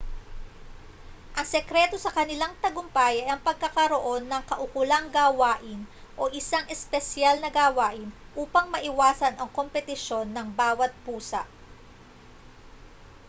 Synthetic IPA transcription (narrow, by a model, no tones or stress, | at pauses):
ʔɐŋsɛkɾɛt̪o̞sɐkɐnɪlaŋt̪ɐɡʊmpaːjɐʔɐŋpɐɡ̚kɐkɐɾo̞ʔo̞nːɐŋkɐʔʊkʊlaŋɡaːwaːʔɪnʔo̞ʔɪsaŋʔɛspɛsjalnɐɡaːwaːʔɪnʔuːpɐŋmɐʔɪwaːsɐnɐŋko̞mpɛt̪ɪʃo̞nːɐŋbaːwɐt̪̚puːsɐ̰ʔ